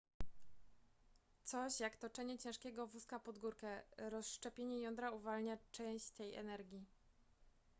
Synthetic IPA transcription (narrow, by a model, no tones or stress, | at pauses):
t̪sɔɕjakt̪ɔt͡ʂɛɲɛt͡ɕɛ̃ʂkʲɛɡɔvuskapɔd̪ɡuɾkɛɾɔsʂt͡ʂɛpʲjeɲɛjɔnd̪ɾauvalɲat͡ʂɛ̃w̃ɕt͡ɕt̪ɛjɛ̰nɛɾɡʲi